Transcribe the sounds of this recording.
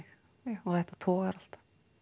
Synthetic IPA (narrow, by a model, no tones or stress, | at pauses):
ɪx | ɔɣðɛht̪ːḁt̪ʰɔːɣaɾal̥t̪ḁ